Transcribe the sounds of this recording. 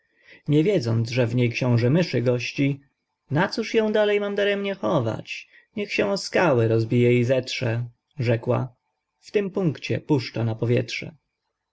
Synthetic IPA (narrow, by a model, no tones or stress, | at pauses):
ɲɛvʲjɛd̪zɔnd̪zʐɛvɲejkɕɔ̃w̃ʐɛmɘʂɘɡɔɕt͡ɕi | nat̪suʂjɔ̃w̃d̪alɛjmamd̪aɾɛmɲɛxɔva̰t͡ɕ | ɲɛxɕɛ̃ɔskawɘɾɔzbʲijɛizɛtʂɛ | ʐɛkwa̰ | ft̪ɘmpuŋkt͡ɕɛ̰puʂt͡ʂanapɔvʲjɛ̰tʂɛ̰